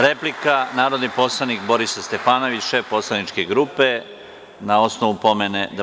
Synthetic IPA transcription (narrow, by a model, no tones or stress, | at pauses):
ɾe̞plikanaːɾo̞d̪nipo̞slˠanikbo̞ɾisast̪e̞faːno̞ʋit͡ɕʃe̞fpo̞slanit͡ʃkeɡɾupe | nao̞sno̞ʋupo̞mened̪a